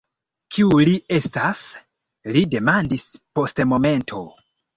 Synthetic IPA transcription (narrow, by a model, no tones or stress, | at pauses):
kʰiulie̞stas | lide̞mandispo̞stemo̞me̞ntʰo̞